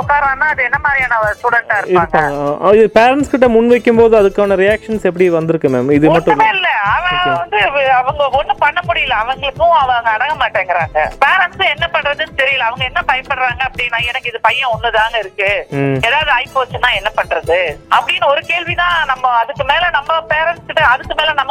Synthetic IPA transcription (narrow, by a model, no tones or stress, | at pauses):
ɔkːaːɾãːnːãːɐðɯɛnːɐmaːd̪ɾijaːnɐʋɐsuːɽɐʈːaːɪɾɯɪaɯːŋpɡːaɐːɡɐɪðɯpeːɾɐɳʈskɪʈːɐmʊɳʋɐɪkːɯmpoːðɯ̃ɐðɯkːaːʋɐnɐɾɪjaːkʂɐnsɛpːɽiʋɐnd̪ɪɾɯkːɯmeːmɪðɯmɐʈːʊ̃ːmeːlɪlːɐɐʋɐ̃ʋɐnd̪ɯɐʋɐŋɡɐɔnːɯpɐɳːɐmʊɽɪjɪlːɐːʋɐŋɡɐɭɯkːʊ̃ɐʋɐŋɡɐɐɽɐŋɡɐmaːʈːeːŋɡɪɾaːŋɡɐ̰peːɾɐɳʈsʊ̃ɛnːɐpɐɳːɾɐðɯnɯt̪ɛɾɪjɐlːɐɐʋɐŋɡɐɛnːɐpɐjɐnpɐɽɾaːŋɡɐːpːɐɽɪnːãːɛnɐkːɯɪðɯpɐjːɐ̃ɔnːɐt̪aːŋɡɐɪɾɯkːɯeːðaːʋɐðɯɐɪpːoʋɐt͡ʃːɯnãːɛnːɐpɐɳːɾɐðɯɐpːɐɽɪnːɐɔɾɯkeːɭʋinãːnɐmːɐɐðɯkːɯmeːlɐnɐmːɐpeːɾɐɳʈskɪʈːɐɐðɯkːɯmeːlnɐmːɐ